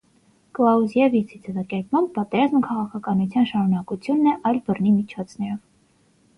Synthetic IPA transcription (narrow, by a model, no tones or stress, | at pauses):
klɑuzjɛvit͡sʰid͡zɛvɑkɛɾkmɑmb̚pɑt̪ɛɾɑzməkʰɑʁɑkʰɑkɑnut͡sʰjɑnʃɑɾunɑkut͡sʰjunːɛʔɑjlbərnimit͡ʃʰɔt͡sʰnɛɾɔv